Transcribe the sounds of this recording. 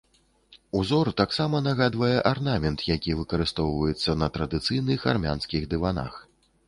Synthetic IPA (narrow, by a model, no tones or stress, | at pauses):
uzɔrt̪aksamɐnɐɣad̪vɐjɛʔarnamʲɛnt̪jakʲivɨkɐɾɨst̪ɔwvɐjɛt̪sːɐnɐt̪ɾɐd̪ɨt̪sɨjnɨxa̰rmʲanskʲiɣd̪ɨvana̰x